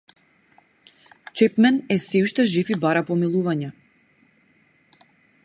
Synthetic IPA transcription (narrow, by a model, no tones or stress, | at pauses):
t͡ʃɛpmɛnɛsɛuʃt̪ɛʒifibaɾapɔmilˠuvaɲɛ